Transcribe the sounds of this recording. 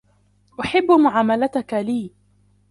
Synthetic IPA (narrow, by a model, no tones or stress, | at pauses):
ʔʊħɪbːmʊʕaːmalat̪akaliː